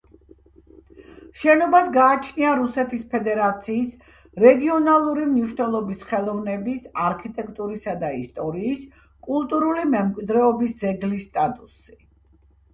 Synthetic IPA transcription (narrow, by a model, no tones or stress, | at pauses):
ʃɛnɔbasɡaːt͡ʃʰniaɾusɛt̪ʰispʰɛd̪ɛɾat̪sʰiːs | ɾɛɡiɔnalˠuɾimniʃnɛlˠɔbisχɛlˠɔvnɛbisaɾkʰit̪ʼɛkʼt̪ʼuɾisad̪aist̪ʼɔɾiːs | kʼulˠt̪ʼuɾulimɛmkʼwid̪ɾɛɔbisd̪zɛɡlist̪ʼat̪ʼusi